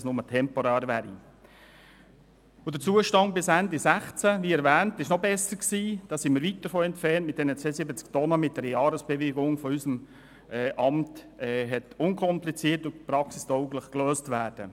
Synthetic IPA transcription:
snʊmətʰɛmpɔɾæːɾʋæːɾḭ | ʊd̥ət͡suːəʃtɑnt̚bɪsændisæχt͡səʋiːɛɾvæːntɪʃnɔbɛsəɾksiːd̥ɑːsimiːɾʋit̚d̥əɾfoːɛntfɛɾntmɪt̚d̥ɛnət͡seːəsɪbət͡sktɔnəmɪt̚dɛɾəjɑːɾəsb̥ɛʋeɡʊŋfɔysəm | ɛʔɑmt | ɛɦɛtʊnkʰɔmplit͡siːərtʊpɾɑksisd̥ɔʊɡləχkløːstʋæːɾd̥ə

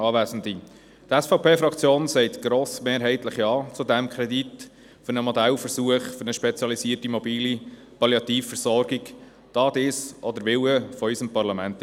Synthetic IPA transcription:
ɑːvæːzn̩d̪i | t̪æsfɑʊpʰeːfɾɑkt͡sjoːnsɛɪt̪ɡ̥ɾoːsmeːɾɦɛɪtləχjɑːt͡sudæmkʰɾɛd̪it | fʏɾnəmɔd̪ælfəɾsuəχfʏɾnəʃpɛt͡sjɑlisiːətimɔbiːli | pɑljɑt̪iːfːəɾsɔɾɡik | d̥ɑːd̪ɪsʔɔd̪əɾʋɪwəfɔysəmpɑɾlɑmænt̪

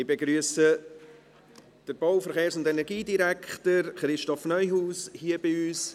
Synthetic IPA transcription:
ɪbeɡɾyəsə | d̥əɾb̥ɔwfəɾχeːɾsʊndɛnɛɾɡiːdiɾækχtəɾχɾɪʃtɔfnœʏɦuːshiːəb̥ɪyːs

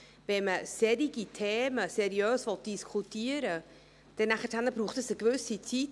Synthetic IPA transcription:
vɛməsɛɾiɡitʰeːməsɛɾiøːsʋɔt̚d̥iskʰutiəɾə | d̥ɛnæχəthænəbɾuːχtəsəkʋʏsit͡sit

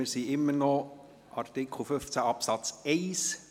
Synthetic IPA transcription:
ɪɾsiɪmːənɔ | ʔɑrt̪ɪkʰl̩fʏft͡sæɑpsɑt͡sɛɪs

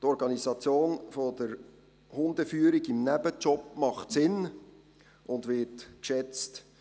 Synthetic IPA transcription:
tɔɾɡɑnizɑt͡sjoːnfodəɾ | hʊndəfyːəɾiɡɪmnɛbət͡ʃɔpmɑχtsɪn | ʔʊndʋɪtkʃɛt͡st

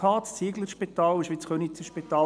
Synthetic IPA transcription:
ɑːtt͡siːɡləɾʃpit̪ɑːlʃʋit͡sχønit͡səʃpit̪ɑː

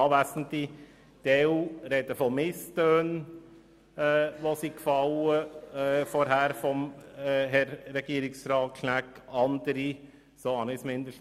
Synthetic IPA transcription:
ɑːʋæsən̩t̪i | d̥̪eːuːɾed̥̪əfɔmɪstøːn | ɛːʋosikfɑʊəfɔɾɦæːɾfɔmɦɛɾːɛɡ̥iəɾɪksɾɑːʃnækɑnd̪əɾi | soɑnɪsmɪnd̪əʃ

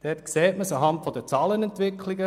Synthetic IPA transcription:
d̥ɛtksɛːtməsɑɦɑntfɔd̥ət͡sɑːlənɛntʋɪkʰliɡə

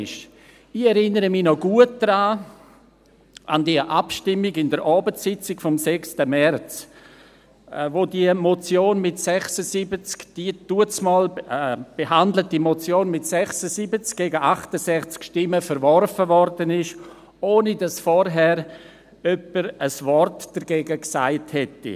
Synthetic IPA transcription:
ɪʃ | ɪɛɾɪnəɾəminɔɡuət̚d̥ɾaː | ʔandiəʔapʃtɪmːiɡɪndəɾʔɑːbəsɪt͡sɪkfɔmsɛkstəmɛrt͡s | vodiəmot͡sjoːnmɪtsɛχsəsibət͡skd̥ituət͡smɔːlb̥eɦandlətimot͡sjoːnmɪtsɛχsəsibət͡sk̚ɡ̥eːɡəʔaχtəsɛχt͡skʃtɪməfəɾvɔɾfəvɔɾdənɪʃ | oːnidɑsfɔɾɦɛɾ | œpəɾəsvɔrtd̥əɾɡeːɡəksaɪthɛtːḭ

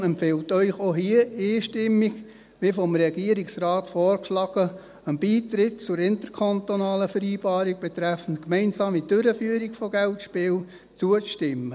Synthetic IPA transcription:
ɛmpfɪltœʏχoɦiəeːʃtɪmːiɡ | ʋɪfɔmɾɛɡ̥iəɾiksrɑːtfɔːrkʃlɑɡ̥ə | əmbiːtɾɪtt͡sʊɾɪntəɾkʰɑntonɑːləfəɾiːb̥ɑːɾiɡ̥̚b̥ɛt̪ɾæfən̩tkmɛɪnsɑːmidøɾəfyːəɾikfɔɡɛltʃpɪːl | t͡suət͡stɪmə

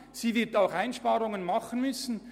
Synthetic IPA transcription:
z̥iːvɪɐtaʊxaɪnʃpɑːʁʊŋənmɑχən̩mʏsn̩

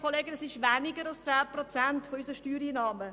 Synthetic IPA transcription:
oleːɡənəsɪʃʋænɪɡəɾɑlst͡sæːprɔt͡sæntfɔysəʃtyːɾiːnɑːmə

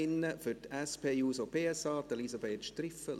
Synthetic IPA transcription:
ɪnːəfʏtɛspʰeːjuːsopʰeːɛsɑːd̪əlisabeːtʃtrɪfə

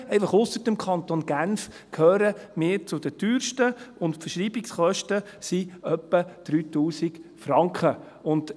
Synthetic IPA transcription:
ɛɪfɑχʊsəɾd̥əmkʰɑnt̪onɡ̥ænf | kʰhøːɾəmɪːɾt͡sʊd̥̪əd̥yːɾʃtəʊntfəʃɾiːbɪksχœʃtə | siœpːəd̪̥ɾyːt̪uːsikfɾɑŋkχə | ʊnd

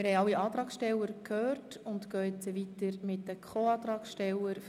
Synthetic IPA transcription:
ɪɾhɛɪɑlːiɑːt̪ɾɑːksʃtɛlːəɾkʰhøːrt | ʊnt̪køːɪt͡səʋit̪əɾmɪtdəkʰχoːɑːt̪ɾɑːksʃtɛlːəɾ

